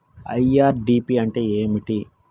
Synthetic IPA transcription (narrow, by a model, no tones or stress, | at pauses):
ɐ̰jaːɾɖiːpiɐɳʈe̞ːeːmiʈi